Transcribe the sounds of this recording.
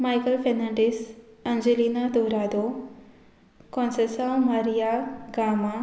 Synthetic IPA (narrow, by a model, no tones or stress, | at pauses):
majkɐlpʰenaɳɖis | ɐnd͡ʒelinad̪oːɾaːd̪o | kɔnsesawmaɾijaɡaːma